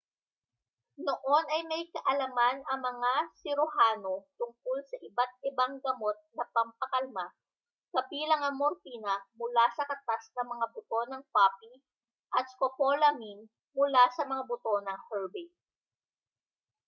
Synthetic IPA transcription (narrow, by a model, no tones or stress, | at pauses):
noʔo̞nɐjmɐjkɐʔɐlɐmanɐŋmɐŋasɪɾoɦaːno̞t̪ʊŋkolsɐʔɪbat̪̚ɪbaŋɡɐmo̞t̪̚nɐpɐmpɐkɐlma | kɐbiːlɐŋɐŋmːoɾk̪iːnɐmʊlasɐkɐt̪asnɐmɐŋabʊt̪o̞nɐŋpapi | ʔɐt̪skopolɐmin | mʊlasɐmɐŋabʊt̪o̞nɐŋhɛɹbɛ